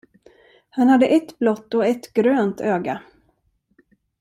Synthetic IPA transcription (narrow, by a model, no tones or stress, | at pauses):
hanhad̪ːəʔɛt̪blɔt̪ːɔɛt̪ɡ̥ɾøːnt̪øːɡa